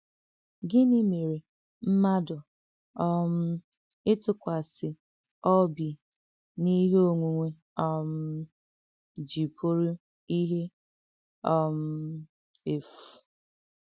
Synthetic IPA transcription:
ɡɪ˦nɪ˦me˨ɾe˨ | m̩˦ma˦dʊ˨ | ɔ˦m̩˦ | ɪ˦tʊ˦kʷa˨sɪ˨ | ɔ˦bi˨ | ni˦ɦo˦ŋʷu˨ŋʷe˨ | ɔ˦m̩˦ | d͡ʒi˨pʰʊ˦ɾʊ˦ | i˦ɦe˦ | ɔ˦m̩˦ | e˨fu̥˨

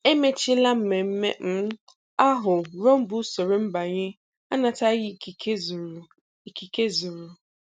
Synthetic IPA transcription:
e˦me˦t͡ʃi˦la˦m̩˦˨me˨m̩˦mḛ˦m̩˦ | a˦ɦʊ˨ɾo˦m̩˦bʊ˦so˨ɾe˨m̩˦ba˨ɲɪ˦ | a˦na˨ta˦jɪ˦˨i˨ke˦zɾ | i˨ki˨ke˦zu˨ɾu˨

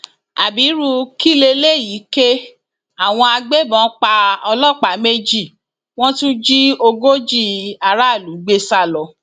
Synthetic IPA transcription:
a˨bi˨˦ɾu˧ki˦le˧le˦˨ji˨˦ke˦ | a˨w̃ɔ̃˧a˧ɡ͡be˦bɔ̃˨˦k͡pa˧ɔ˧lɔ˦˨k͡pa˨˦me˦d͡ʒi˦˨ | w̃ɔ̃˦tũ˦d͡ʒi˦o˧ɡo˦d͡ʒi˦˨a˧ɾa˦˨lu˨˦ɡ͡be˦sa˦˨lɔ˧

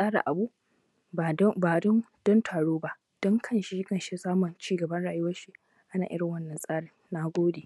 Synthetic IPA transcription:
sʼaː˦ɽa̰˨ʔa˨bu˦˨˦ | baː˨dɔ˦nd̥ɔ˦ntʰaː˨ɽoː˦ba˦ʔ | d̥ɔ˦ŋkʰɐ˦nʃi˦kɐ˦˨nʃe˦saː˦mʊ˨nt͡ʃiː˦ɡɐ˨bɐ˦nɽaː˨jwɐ˦ʃi˦ | ʔa˦naː˨ʔɪ˦ɽɪ˨ŋwɐ˦nːɐ˨nsʼaː˦ɽɪ˨nːa˦ɡʷoː˦deː˨

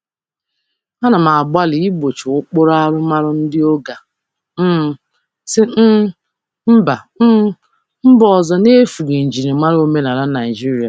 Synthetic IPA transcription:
a˦na˨ma˨ɡ͡ba˦lɪ˨i˦bo˨t͡ʃʊ˨ʊ˦k͡pʊ˦ɾa˦ɾʊ˦ma˦ɾʊ˦n̩˦dɪ˦o˦ɡa˨ | m̩˦ | sɪ˦m̩˦ | m̩˦ba˨m̩˦ | m̩˦bɔ˨zɔ˨ne˦fu˨ɡe˨n̩˨d͡ʒi˨ɾe˨ma˦ɾo˦me˦na˨ɾa˦na˨i˨d͡ʒi˦ɾi˦a˨

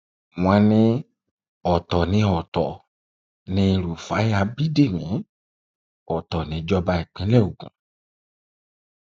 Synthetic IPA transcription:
mũ˨a˨˧nĩ˧ | ɔ˨tɔ˨nĩ˧ɔ˨t̪ɔ˨ | nĩ˧ɾu˨fa˨˦ja˧bi˦de˦˨mĩ˨˦ | ɔ˨t̪ɔ˨nĩ˨˦d͡ʒɔ˦ba˧i˨k͡pĩ˨˦lɛ˦˨o˨ɡṵ̃˨

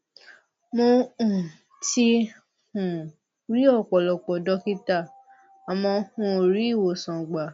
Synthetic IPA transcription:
mo˧ũ˨ | ti˧˦ | hũ˨ | ɾi˦ɔ˦˨k͡pɔ˨lɔ˨k͡pɔ˨dɔ˧˦ki˦ta˦˨ | a˨mɔ̃˧hũ˧˦o˨ɾi˨˦˨wo˨sɔ̃˨ɡ͡ba˨

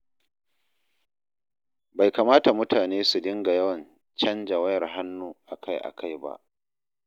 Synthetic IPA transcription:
ba˨jka˨maː˦ta˨mʊ˦tʰaː˨neː˦su˨dɪ˦ŋɡa˨jɐ˦wɐ˨n | t͡ʃɐ˦nd͡ʒa˨wɐ˦jɐ˨rɦa˦nːuː˦ʔa˨kʰa˦jʔa̰˨kʰa˦jba̰˦ʔ

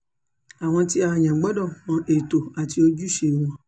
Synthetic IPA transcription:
a˨w̃ɔ̃˧ti˦a˧a˧˨ɲã˨ɡ͡bɔ˨˦dɔ˦˨mɔ̃˧˦ʔe˨to˨a˨ti˧o˧d͡ʒu˦ʃe˨˧˨w̃ɔ̃˧˦

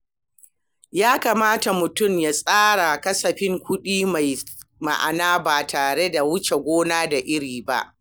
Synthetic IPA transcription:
jaː˦kaː˨maː˦ta˨mʊ˨tʊ˦˨mjaː˨sʼaː˦ɽa˨kɐ˦sɐ˨ɸɪ˦ŋkʷʊ˦ɗiː˦ma˨jma̰˦˨ʔa̰˨naː˦baː˨tʰaː˨ɽe˦da˨wʊ˦t͡ʃe˨ɡʷoː˦naː˦da˨ʔɪ˦ɽiː˨ba̰˦ʔ

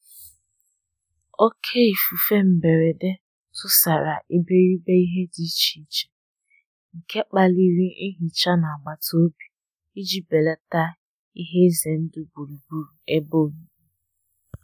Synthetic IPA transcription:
o˦kʰe˦i˨fu˨fe˦m̩˨be˨ɾe˨de˦ | tʊ˦sa˨ɾa˨ʔi˦be˦ɾi˦be˦i˦ɦe˦di˦t͡ʃi˨t͡ʃe̥˨ | ŋ̩˨ke˦k͡pa˦li˦ɾi˦i˦ɦi˨t͡ʃa˦na˨a˨ɡ͡ba˨to˦bi˨ | i˦d͡ʒi˦be˨le˦ta˦ | i˦ɦe˦ze˨n̩˦dʊ˦bu˨ɾu˨bu˦ɾu˨e˦bo˦˨n̩˦

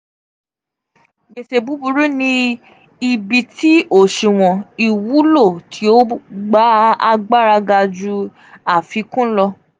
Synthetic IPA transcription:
ɡe˨ʃe˨bu˨˦bu˧ɾu˦nĩ˧ | i˨bi˨ti˨˦ʔo˦˨ʃi˨w̃ɔ̃˨i˨wu˨˦lo˦˨tʰi˨˦o˦ɡ͡ba˦a̰˧ɡ͡ba˦ɾa˧ɡa˧d͡ʒu˧ | a˦˨fi˨˧˦kũ˦lɔ˧

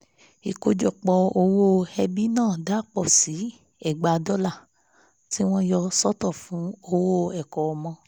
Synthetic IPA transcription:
i˨ko˧d͡ʒɔ˨k͡pɔ˧o˧wo˦hɛ˧bi˦nãː˦˨da˦k͡pɔ˦˨si˨˦ | ɛ˦˨ɡ͡ba˨˧dɔ˦la˦˨ | ti˦w̃ɔ̃˦jɔ˧sɔ˦tɔ˦˨fũ˨˦o˧wo˦˨ɛ˨kɔ˨ɔ˨mɔ̃˧

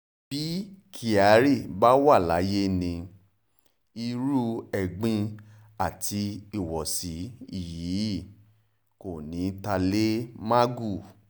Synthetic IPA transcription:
b̥i˦kʰi˦˨a˨˦ɾi˦˨ba˦wa˦˨la˨˦je˦nĩ˧ | i˧ɾu˦ɛ˨ɡ͡bĩ˧ | a˨tʰi˧i˦˨wɔ˨si˨˦i˦˨ji˨˦˨ | ko˨nĩ˨˦ta˧le˦ma˦ɡu˦˨

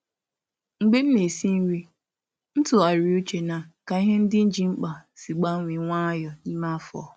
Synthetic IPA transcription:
ŋ̩˨ɡ͡be˦m̩˦ne˨si˦n̩˦ɾi˦ | n̩˦tʊ˨a˨ɾi˨u˦t͡ʃe˨na˨ka˨i˦ɦe˦n̩˦dɪ˦n̩˦d͡ʒi˨ŋ͡m̩˦k͡pa˨si˨ɡ͡ba˦ŋʷi˨ŋʷa˦jɔ˨ni˦ma˦fɔ̰˨

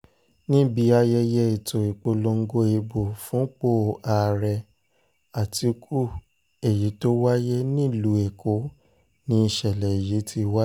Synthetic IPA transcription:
nĩ˦bi˧a˧jɛ˧jɛ˦e˨to˨i˨k͡po˧lo˧ŋ̩˦ɡo˧e˧bo˨fũ˦k͡po˦˨a˨ɾɛ˧ | a˨ti˧˦kʰu˦ | e˨ji˨˦to˦wa˦je˦nĩ˦˨lu˨˦e˨ko˨˦ | nĩ˧˦i˧ʃɛ˨lɛ˨e˨ji˨˦tʰi˧˦wa˦

